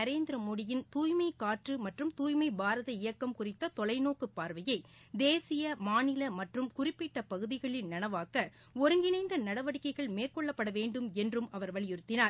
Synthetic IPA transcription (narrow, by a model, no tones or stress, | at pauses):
ɐɾeːnd̪ɪɾɐmoːɽɪjɪnt̪uːjmɐɪkaːʈrɯmɐʈrɯmt̪uːjmɐɪbaːɾɐðɐɪjɐkːɐmkʊrɪt̪ːɐt̪ɔlɐɪnoːkɯpːaːɾʋɐjɐɪ | d̪eːsɪjɐmaːnɪlɐmɐʈrɯmkʊrɪpːɪʈːɐpɐɣɯðɪɣɐɭɪnnɐnɐʋaːkɐ | ɔɾɯŋɡɪnɐɪnd̪ɐnɐɽɐʋɐɽɪkːɐɪɣɐɭmeːrkɔɭːɐpːɐɽɐʋeːɳɖɯmɛndrɯmɐʋɐɾʋɐɭɪjɪɾɯt̪ːɪnaːɾ